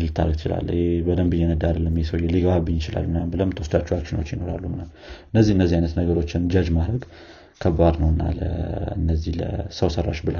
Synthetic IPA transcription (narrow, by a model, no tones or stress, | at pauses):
ɨlt̪ʰa̰ɾəɡt͡ʃɪ̰la̰lːhebəd̪əmbɨjːɛnəd̪aɾəlːəmːjɛsəwjɛliɡəβabɨnːɪt͡ʃɪla̰lːmɨnambɨləmt̪ʰəwsd̪at͡ʃːuwakʃɪnot͡ʃːjɪno̞ɾa̰lːumnal | ɨnːəzːihɨnːəzːihajnət̪nəɡəɾo̞t͡ʃːɪnd͡ʒad͡ʒmaɾəɡ | kʰəbad̪nəwɨnːa̰lə̰ɨnːəzːihlə̰səwsərːa̰ʃbɨla